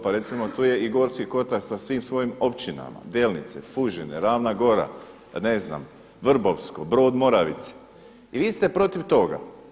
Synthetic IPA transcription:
paɾe̞t̪simo̞t̪uːje̞iɡo̞ɾskiko̞t̪akt̪sasʋiːmsʋo̞jimo̞pt͡ʃina̰ma̰d̪eːlnit̪sḛfuʒeneɾaːʋnaɡo̞ɾa̰ | ne̞zna̰m | ʋr̩boʋsko̞bɾo̞ːd̪mo̞ɾaʋḭt̪se̥ | iʋiːst̪e̞pɾo̞t̪iʋt̪o̞ɡa̰

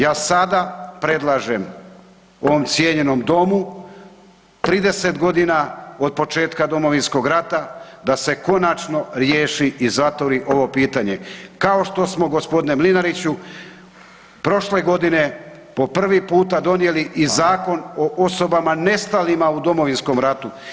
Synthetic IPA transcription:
jaːsad̪apɾe̞d̪lˠaʒem | o̞ʋo̞mt̪sje̞ɲe̞no̞md̪o̞mu | t̪ɾiːd̪e̞se̞t̪ɡo̞d̪inao̞d̪̚po̞t͡ʃe̞ːt̪kad̪o̞mo̞ʋinsko̞ɡɾat̪a | d̪ase̞ko̞nat͡ʃno̞ɾjeːʃiʔizat̪ʋoɾiʔo̞ʋo̞piːt̪aɲe̞kao̞ʃt̪o̞smo̞ɡo̞spod̪inemlinaɾit͡ɕu | pɾo̞ʃle̞ɡo̞d̪ine̞ | po̞pr̩ʋipuːt̪ad̪o̞nje̞liʔizaːko̞noʔo̞so̞bamane̞st̪alimaud̪o̞mo̞ʋinsko̞mɾat̪u

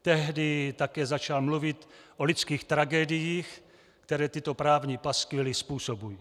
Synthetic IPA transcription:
t̪ɛɦdɪt̪akɛːzat͡ʃalmluvɪt̪ʔolɪt͡skiːxt̪ɾaɡɛdɪjiːx | kt̪ɛɾɛːt̪ɪt̪opɾaːvɲipaskɪlɪspuːsobuji

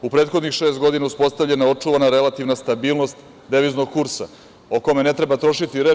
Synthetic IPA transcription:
upɾet̪xo̞d̪nixʃe̞ːst̪ɡo̞d̪inauspo̞st̪avʎe̞naeo̞t͡ʂuʋanaɾe̞lˠat̪iʋnast̪abiːlˠno̞st̪ | d̪eʋizno̞ɡ̚kuɾsa̰ | oko̞mene̞t̪ɾe̞bat̪ɾo̞ʃit̪iɾeː

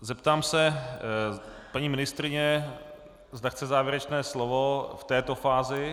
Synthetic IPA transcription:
zɛpt̪aːmsɛ | paɲiːmɪnɪst̪ɾɪɲɛ | zd̪axt͡sɛzaːvjɛɾɛt͡ʃnɛːslovoft̪ɛːt̪o̞faːzɪ

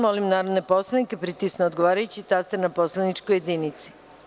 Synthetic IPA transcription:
mo̞limnaːɾod̪ne̞po̞slˠanikepɾit̪isneod̪ɡo̞ʋaːɾajut͡ɕit̪ast̪enapo̞slˠanit͡ʃkojed̪init̪si̥

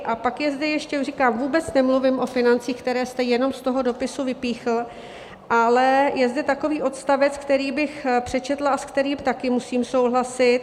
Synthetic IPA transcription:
ʔapakjɛzdɛjɛʃcɛrikaːmvuːbɛt͡snɛmluvɪmʔo̞fɪnant͡siːxkt̪ɛɾɛːst̪ɛjɛno̞mst̪o̞ɦo̞do̞pɪsuvɪpiːxl̩ | ʔalɛjɛzdɛt̪ako̞viːʔo̞t̪st̪avɛt͡skt̪ɛɾiːbɪxpr̥ɛt͡ʃɛt̪laaskt̪ɛɾiːmt̪akɪmusiːmso̞wɦlasɪt̪̚

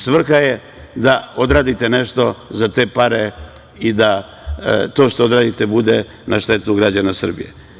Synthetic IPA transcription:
sʋr̩xaje | d̪ao̞d̪ɾaːd̪it̪eneʃt̪o̞zat̪e̞ːpaɾe | id̪a | t̪o̞ːʃt̪ood̪ɾaːd̪it̪ebud̪e | naʃt̪e̞t̪uɡɾad͡ʑanasr̩bḭjḛ

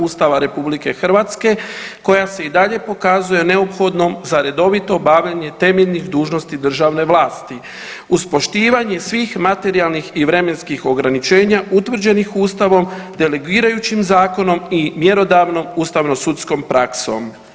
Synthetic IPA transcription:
ust̪aʋaɾe̞publike̞xr̩ʋat̪ske̞ko̞jase̞id̪aʎe̞po̞kazuje̞ne̞opxo̞d̪no̞mzaɾe̞d̪o̞ʋit̪o̞baʋʎaɲe̞t̪e̞meʎʲnixd̪uːʒno̞st̪id̪r̩ʒaʋne̞ʋlˠaːst̪i | uspo̞ʃt̪iːʋaɲe̞sʋiːxmat̪e̞ɾialnixiʋɾe̞me̞nskixo̞ɡɾanit͡ʃe̞ːɲaʔut̪ʋr̩d͡ʑe̞nixuːst̪aʋo̞md̪e̞leɡuiːɾajut͡ɕimzaːko̞no̞mimje̞ɾo̞d̪aʋno̞muːst̪aʋno̞sut̪sko̞mpɾakso̞̰m

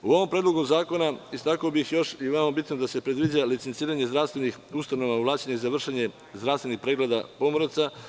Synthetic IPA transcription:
uo̞ʋo̞mpɾed̪lˠo̞ɡozaːko̞naist̪akaobixjo̞ʃiʋemabit̪nod̪ase̞pɾe̞d̪ʋid͡ʑalit̪se̞nt̪iːɾaɲe̞zd̪ɾaʋst̪ʋe̞nixust̪ano̞ʋauʋlˠaːt͡ɕeɲeizaʋr̩ʃeɲe̞ | zd̪ɾaʋst̪ʋe̞nixpɾeɡled̪apo̞moɾot̪sa

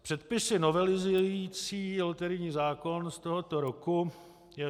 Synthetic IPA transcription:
pr̥ɛt̪̚pɪsɪno̞vɛlɪzujjit͡siːlt̪ɛɾɪɲiːzaːko̞nst̪oɦot̪oɾoku | jɛ

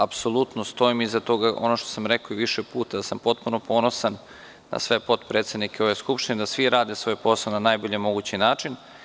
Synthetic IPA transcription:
apso̞lˠut̪nost̪o̞imizat̪o̞ɡaʔo̞̰noʃt̪o̥samɾekoiʋiʃepuːt̪ad̪asampo̞t̪̚punopʰo̞no̞sanː | a̰sʋe̞po̞t̪pɾeːt̪se̞d̪nikeo̞ʋe̞skupʃt̪ined̪asʋiɾaːd̪e̞sʋo̞ːjpo̞slˠonanajboʎemo̞ɡut͡ɕinaːt͡ʂin

